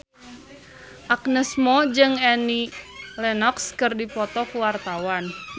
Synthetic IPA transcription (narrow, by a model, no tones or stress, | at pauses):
ʔak̚nəsmɔd͡ʒɨŋɛnilɛnɔkskɨrdipɔt̪ɔkuwart̪awan